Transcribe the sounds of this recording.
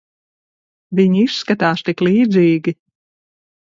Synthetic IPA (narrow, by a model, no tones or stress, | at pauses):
viɲiskat̪aːst̪iklˠiːd̪ziːɡʲi